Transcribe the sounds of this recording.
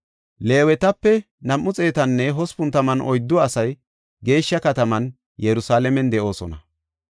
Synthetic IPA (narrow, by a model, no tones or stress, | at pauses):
le̞ːwɛt̪ɐpːɛ | nɐmːʊt͡sʼe̞ːt̪ɐnːɛɦɔspʊnt̪ɐmɐnʔɔjd̪ːʊɐsɐj | ɡe̞ːʃːɐkɐt̪ɐmɐn | jɛɾʊsaːlɛmɛnd̪ɛʔo̞ːsɔ̰nɐ̰